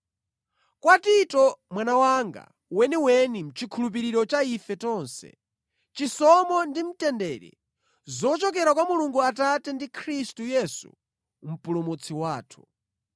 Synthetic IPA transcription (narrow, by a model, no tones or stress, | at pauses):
kwatitɔmwanawaŋɡa̰ | wɛniwɛnim̩t͡ʃʰikʰulup̬iɾiɾɔt͡ʃaifɛtɔnsɛ̰ | t͡ʃisɔmɔndim̩tɛndɛɾḭ | zɔt͡ʃɔk̬ɛɾakwamuluŋɡuatatɛndikʰɾistujɛsṵ | m̩pulumut͡sʰiwaːtʰu̥